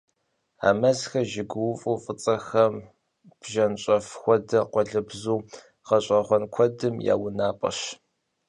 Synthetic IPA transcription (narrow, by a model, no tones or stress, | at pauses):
a̰ːmɐzxɐʒɪɡʷʊwʊfʼuːfʼɨt͡sʼɐxɐm | b̥ʒɐnɕʼɐfxʷɔdɐqʷɔɮɨbzuː | qɐɕʼɐχʷɔnkʷʰɔdɨmja̰ːwʊnaːpʼɐ̰ɕ